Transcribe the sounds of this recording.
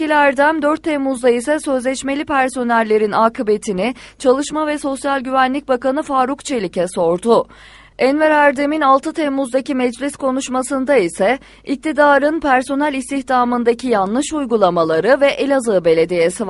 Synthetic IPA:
ilʲæɾd̪æmd̪øɾt̪ʰːɛmːuzd̪aisɛsø̞zlʲɛt͡ʃme̞lʲipʰæɾso̞nælʲːe̞ɾinaːkʰɯbe̞t̪ʰinɪt͡ʃʰalˠɯʃmavɛso̞sjalʲɟyvænlʲic̚bakanɯfaːɾukt͡ʃʰe̞lʲicɛso̞ɾd̪u | ɛnvɛɾæɾd̪eminalˠt̪ʰɯt̪ʰɛmːuzd̪acimɛd͡ʒlʲiskʰo̞nuʃmasɯnd̪aisɛ | ic̚t̪ʰid̪aːɾɯnpʰæɾso̞nælʲist̪ʰiçt̪ʰaːmɯnd̪acijanlˠɯʃujɡulˠamalˠaɾɯvɛʔelʲazɯːbe̞lʲe̞d̪ijesiv

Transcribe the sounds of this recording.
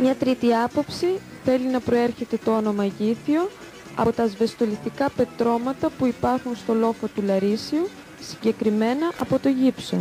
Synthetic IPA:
mɲɐt̪ɾit̪iɐpo̞psi | θe̞linɐpɾo̞e̞ɾçe̞t̪e̞t̪oono̞mɐʝiθio̞ | ɐ̰t̪ɐzve̞st̪o̞list̪ikɐpe̞t̪ɾo̞mɐt̪ɐpuipɐɾxunst̪o̞lo̞fo̞t̪ulɐɾisiu | siɲɟe̞kɾime̞nɐʔɐpo̞t̪o̞ʝipso̞

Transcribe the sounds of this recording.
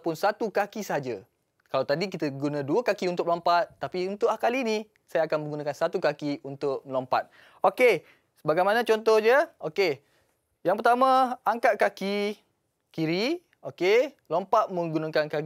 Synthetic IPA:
pʊnsat̪ukakisəɦad͡ʒa | kalawt̪adik̬it̪əɡunãduəkakiunt̪ʊk̚lompat̪̚ːapiunt̪ʊʔlahkalini | sajaːkanmə̃ŋɡunãkansat̪ukakiunt̪ʊk̚məlompa̰t̪̚ | oke | səbaɡajmanãt͡ʃɔnt̪ɔhd͡ʒəoke | jaŋpərt̪amãaŋkat̪̚kaki | kiɾi | oke | lompaʔ̪̚mə̃ŋɡunãŋkankak

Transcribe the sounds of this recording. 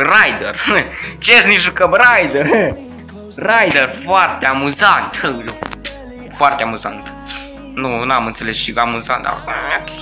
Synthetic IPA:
rajd̪ert͡ʃesniʃukəbrajd̪er | rajd̪erfoart̪eamuzant̪ | foart̪eamuza̰nt̪ | nunamɨnt̪se̞lesʃiamuza̰nd̪a̰

